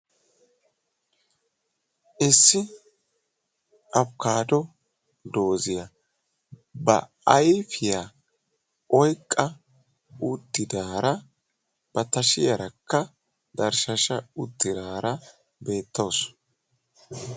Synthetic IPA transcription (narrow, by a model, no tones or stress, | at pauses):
ʔɪsːɪ | ʔɐpkaːd̪ɔ | d̪o̞ːzɪjɐ | bɐ̰ | ɐjfɪjaː | ʔɔjkʼːɐ | ʊt̪ːɪd̪aːɾɐ | b̥ɐt̪ɐʃɪjɐɾɐkːɐ | d̪ɐɾʃɐʃɐʊt̪ːɪd̪aːɾɐ | be̞ːt̪ːoːs